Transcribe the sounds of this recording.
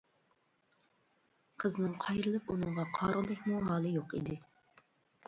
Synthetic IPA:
qʰəznɨŋqʰɑjɾɨlˠɨpunɨɴʁɑqʰɑɾʁˠd̪ɛkʲmuɦɑːlˠɨjoqḭd̪ɪ

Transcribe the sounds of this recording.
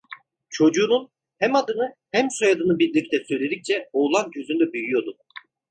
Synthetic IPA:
t͡ʃʰo̞d͡ʒuːnun | hæmad̪ɯnɯhɛmsojad̪ɯnɯbiɾlʲic̚t̪ɛsø̞jlʲe̞d̪ic̚t͡ʃʰɛoːlˠanɟʰø̞zynd̪ɛbyjyjo̞d̪u

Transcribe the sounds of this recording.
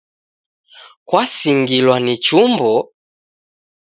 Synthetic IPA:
kwasiŋɡilwanit͡ʃumbɔ

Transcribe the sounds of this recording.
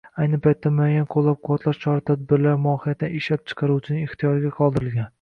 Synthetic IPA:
ajnɪpʰajt̪ʰːamʊajanqʰolˠːap̚qʰʊwɒt̪ʰlaɾt͡ʃʰɒɾat̪ʰad̪̚bɪɾlaɾmʊɒhɪjat̪ʰɪnɪɪʃlap̚t͡ʃʰɨ̥qʰɑɾut͡ʃʰɪnɪɪχt̪ʰijɒɾɪɡʲaqʰɒlˠd̪ɪɾɪlɡʲan

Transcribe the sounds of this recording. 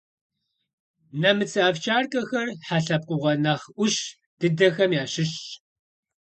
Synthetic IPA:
nɐmɨt͡sʰɨaːft͡ʃʰʼaːrkʼɐxɐrħaɬɐp̚qʷʼʊʁɐnɐχʔʷʊɕ | d̥ɨdɐxɐmjaːɕɪɕ

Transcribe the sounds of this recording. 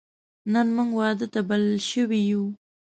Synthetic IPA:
nənmuŋɡwɑd̪ət̪abalɪlʃəwiju

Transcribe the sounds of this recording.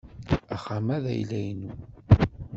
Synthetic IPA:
æχamæðæ̰jlæjnu

